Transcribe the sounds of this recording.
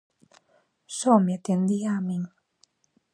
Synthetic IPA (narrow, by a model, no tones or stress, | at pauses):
sɔmit̪end̪iamiŋ